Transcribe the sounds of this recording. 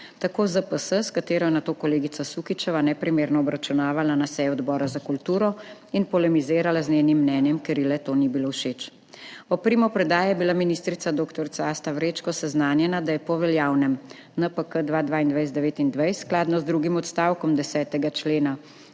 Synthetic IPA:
t̪akoːzəpəsəskat̪eːɾɔjɛnat̪oːkɔleːɡit̪sasukit͡ʃɛʋanɛpɾimeːɾnɔɔbɾat͡ʃunaːʋalanasɛjɔd̪bɔːɾazakult̪uːɾɔinpɔlɛmizeːɾalazneːnimːnɛːnjɛmkeɾilɛt̪oːnibiloːwʃet͡ʃ | ɔpɾiːmɔpɾɛd̪aːjɛbilaminist̪ɾit̪sad̪oːkt̪ɔɾsaaːst̪aʋɾet͡ʃkɔsɛznaːnjɛnad̪ajɛpɔʋɛljaːwnɛm | nəpəkəd̪ʋaːd̪ʋaːind̪ʋajzd̪ɛʋeːt̪ind̪ʋajssklaːd̪nɔzd̪ɾuːɡimɔt̪st̪aːwkɔmd̪ɛsɛːt̪ɛɡat͡ʃleːna

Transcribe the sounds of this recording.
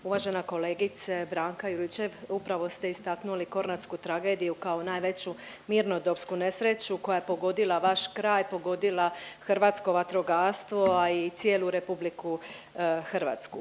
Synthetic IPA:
uʋaːʒe̞nako̞leːɡit̪sebɾaːŋkajuɾit͡ɕe̞ʋupɾaʋo̞st̪eist̪aknuliko̞ɾnat̪skut̪ɾaɡe̞ːd̪ijukao̞naːjʋe̞t͡ɕu | miːɾno̞d̪o̞pskune̞sɾet͡ɕuko̞jajepo̞ɡo̞d̪ilˠaʋaʃkɾaːjpo̞ɡo̞d̪ilˠaxrɾʋaːt̪sko̞ʋat̪ɾo̞ɡaːɾst̪ʋo̞ait̪sjeluɾe̞publiku | xrʋa̰ːt̪sku

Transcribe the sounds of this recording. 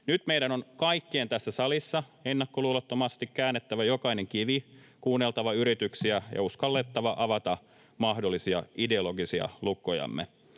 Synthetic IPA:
nyt̪meidænonkɑikːeeːnt̪æsːæsɑlisːɑenːɑkːoluːlɑt̪ːomɑst̪ikkæːnːet̪ːæʋæjo̞kɑineŋkiʋikuːnːelt̪ɑʋɑyɾit̪yksiæjɑ̰uskɑlːet̪ːɑʋɑʔɑʋɑt̪ɑ | mɑhdolːisiɑ̰ide̞oloɡisiɑ̰lukːˑojɑ̰mːḛ

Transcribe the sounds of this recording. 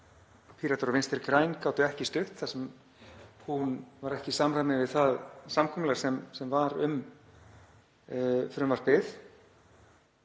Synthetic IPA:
pʰiɾat̪ɔɾvɪnst̪ɪɾkɾaːjnkaːwt̪ʏɛhcɪst̪ʏht̪θasɛm | hunvaɾɛhcɪsamɾanɪnvɪðθaðsamkʰɔmʏlaɾ̥sɛmsɛmvaɾʏm | fɾʏmvaɾ̥pɪð

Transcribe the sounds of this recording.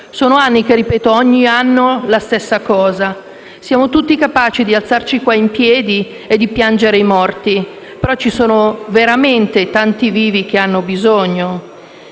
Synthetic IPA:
soːnoanːik̟erːipɛːt̪oɔɲːianːolast̪esːakɔːza | sjaːmot̪ut̪ːikapaːt͡ʃid̪ialt̪sart͡ʃikwaimpjɛːd̪i | ed̪ːipjand͡ʒeɾeimɔrt̪i | peɾɔt͡ʃːisoːnoveɾament̪et̪ant̪iviːvik̟eanːobizoɲːo

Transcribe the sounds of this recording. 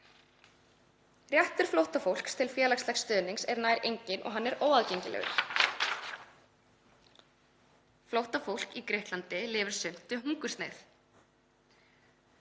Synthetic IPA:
rjɛht̪ʏɾ̥flowht̪afowl̥kst̪ʰɪlfjɛːlakslɛxst̪œːðniŋsɛɾnaːjɾʔejɲcɪnʔɔ̰ɣɦanːɛɾʔoːwaðcejɲcɪlɛ̰ɣʏ̰ɾ̥ | flowht̪afowl̥kikɾeht̪lant̪ɪlɪːvʏɾ̥sʏm̥t̪ʏɦuŋkʏ̥st̪neθ

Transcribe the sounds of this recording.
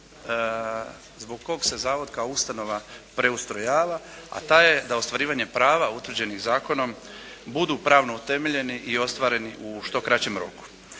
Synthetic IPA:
zbo̞ɡko̞ɡse̞zaːʋo̞d̪kaoust̪ano̞ʋapɾe̞ust̪ɾo̞jaːʋa | a̰t̪aje̞d̪ao̞st̪ʋaɾiːʋaɲe̞pɾaːʋaut̪ʋr̩d͡ʑe̞niɣzaːko̞no̞m | bud̪uːpɾaːʋno̞ut̪e̞me̞ʎe̞niʔio̞st̪ʋaːɾe̞niʔuʃt̪o̞kɾat͡ɕe̞mɾo̞̰ku̥

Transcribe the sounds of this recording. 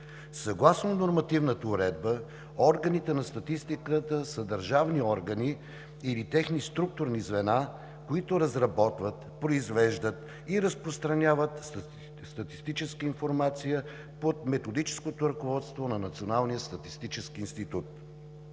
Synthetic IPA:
sɐɡlˠasnonoɾmɐt̪ivnət̪əʊɾɛd̪̚bə | ɔɾɡənit̪ɛnɐst̪ɐt̪ist̪ikət̪əsəd̪əɾʒavniɔɾɡəniː | lit̪ɛxnist̪ɾuk̚t̪ʊɾnizvɛna | koit̪oɾɐzɾɐbɔt̪vət̪pɾoizvɛʒd̪ət̪ | iɾəspɾost̪ɾɐnʲavət̪ | st̪ɐt̪i̥st̪it͡ʃɛskəinfoɾmat̪sijə | pot̪mɛt̪od̪it͡ʃɛ̥skot̪oɾɐkovɔt̪st̪vonɐnɐt̪sionalˠnijəst̪ɐt̪ist̪it͡ʃɛskiːnst̪it̪ut̪

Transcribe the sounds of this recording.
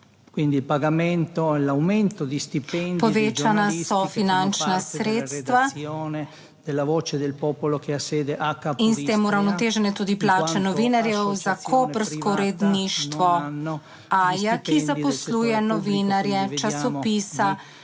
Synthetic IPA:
kwind̪ilpaɡament̪oɛlawment̪od̪ist̪ipɛnpɔʋeːt͡ʃanasɔfinant͡ʃnasɾeːt̪st̪ʋaoːne | d̪̥elːavoːt͡ʃed̪elpɔpolokeasːeːd̪eʔakːainseːmuɾawnɔt̪eːʒɛnɛt̪ud̪iplaːt͡ʃɛnɔʋinaɾjɛwzakʰopɾskɔɾɛd̪niʃt̪ʋɔnː | ajakizapɔsluːjɛnɔʋinaɾjɛt͡ʃasɔpiːsa

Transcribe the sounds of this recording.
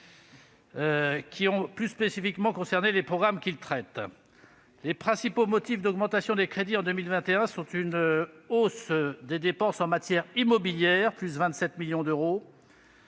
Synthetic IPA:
kʲʰiɔ̃plyspesifikmɑ̃kɔ̃sɛʁnelepχɔɡʁamkʲilt̪χɛt̪ | lepχɛ̃sipomɔt̪ifd̪ɔɡmɑ̃t̪asjɔ̃d̪ekχed̪iɑ̃d̪ømilvɛ̃t̪eɛ̃sɔ̃t̪ynosd̪ed̪epɑ̃sɑ̃mat̪jɛʁimɔbiljɛʁplysvɛ̃t̪sɛt̪miljɔ̃d̪øʁo

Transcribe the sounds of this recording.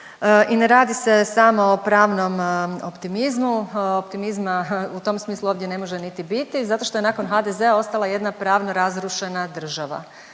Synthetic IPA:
ʔineɾaːd̪ise̞samo̞opɾaːʋno̞mopt̪imizmuopt̪imizmaut̪o̞msmiːslˠuoʋd̪je̞ne̞mo̞ʒenit̪ibit̪izat̪o̞ʃt̪o̞e̞naːko̞nxad̪eze̞ao̞st̪alˠaje̞d̪napɾaːʋno̞ɾazɾuʃe̞nad̪r̩ʒaʋa̰

